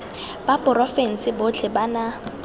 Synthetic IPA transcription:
b̥apʼʊrɔfɛn̩sɪbʊt͡ɬʰɪbana

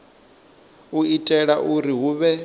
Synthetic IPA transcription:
uitʼɛɺaʔuɾiɦuːβɛ

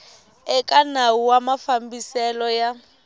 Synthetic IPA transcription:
ɛkʼanawuwamafambisɛlɔja

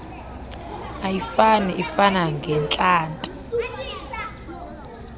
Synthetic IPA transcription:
ajifanɛʔifanaŋɡʱɛnt͡ɬʼaːntʼu

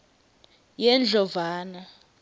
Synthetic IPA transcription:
jɛnd͡ɮʱɔvaːna

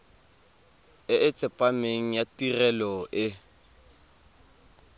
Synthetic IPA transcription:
ɪʔɪt͡sʼɪpʼameŋ̩jatirɛlɔʔɪ

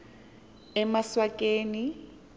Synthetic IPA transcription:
ɛmaswakʼeːni

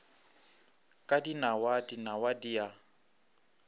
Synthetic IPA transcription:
kʼadinawadinawadija

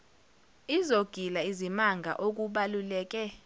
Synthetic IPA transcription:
izoɡ̥ʱilaizimaŋɡʱa̰ʔok̬ʼuɓalulɛːk̬ʼɛ

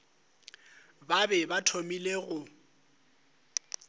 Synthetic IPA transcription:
babɛbatʰomileɣʊ

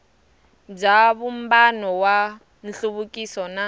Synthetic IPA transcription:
d͡ʒaβum̩banɔwa | n̩ɬuβukʼisɔna

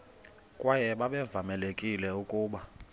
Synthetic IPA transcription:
kʼwajɛɓaɓɛvamɛlekʼilɛukʼuːɓa

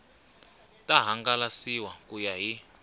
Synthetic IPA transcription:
tʼaɦaŋɡalasiwakʼujaɦi

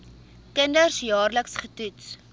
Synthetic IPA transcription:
kəndərsjɑːrləksχətuts

